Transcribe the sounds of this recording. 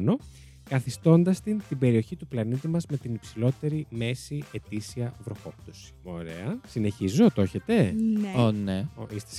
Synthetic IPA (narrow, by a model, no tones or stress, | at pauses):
no̞ | kɐθist̪o̞nd̪ɐst̪int̪ibe̞ɾio̞çit̪uplɐnit̪imɐzme̞t̪inipsilo̞t̪e̞ɾime̞sie̞t̪isiɐvɾo̞xo̞p̚t̪osi̥o̞̰ɾḛɐsine̞çizot̪o̞çe̞t̪e̞noneoist̪e̥s